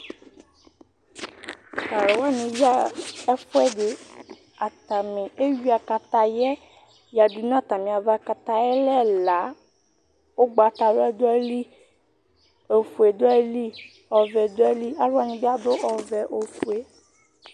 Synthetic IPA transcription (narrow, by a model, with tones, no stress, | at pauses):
ka˨ɾe˨wa˦nĩ˨bi˦a˦ɛ˦fo˦ɛ˦de˨ | a˨t̪a˨mẽ˨e˦wi˦a˨ka˨t̪a˨jɛ˦ | ja˨du˨nã˦˨t̪a˨mẽ˨a˨va˦ka˨t̪a˨jɛ˦lɛ˦la˨˦ | wo˦ɡ͡ba˨t̪a˨lo˦ɛ˦d̪o˦ɛ˦li˦ | o˨fu˨e˨d̪o˦ɛ˦li˦ | ɔ˨vɛ˨d̪o˦ɛ˦li˦a˨˦lo˦a˦ɲĩ˨bi˦a˦d̪o˦ʔɔ˨vɛ˨ʔo˨fu˨e˦